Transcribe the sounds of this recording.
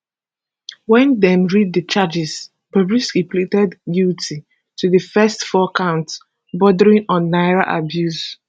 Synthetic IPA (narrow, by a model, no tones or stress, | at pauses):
wɛ̃ndɛ̃mɹid̚dət͡ʃad͡ʒɪs | b̥əbɹiskipʰlitɛdɡiltʰi | tʰuðəfɛstfɔkʰãʊ̃nt | bɔdəɹĩnɔ̃nːaɪɹaʔa̰bjus